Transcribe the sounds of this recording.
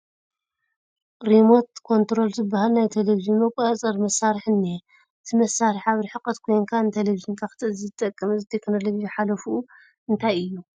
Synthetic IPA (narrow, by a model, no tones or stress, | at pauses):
ɾimo̞t̪kʰo̞nt̪ɾo̞lzɨbːahalnajt̪ʰeleviʒɨnmɐkʷʼɐɐt͡sʼɐɾmɐsːaɾɨħɨnːe | ɨt̪ʰɨmɐsːaɾɨħaβɾiħɨqʼːɐt̪kʰo̞jŋkʰaɨnt̪ʰeleviʒɨnkʰakɨ̥t̪ʰɨʔɨzizɨt̪ʼɐkʼːɐmɨzɨt̪ʰe̞kno̞lovid͡ʒiħalɐfuː | ʔɨnt̪ʰajɨjːu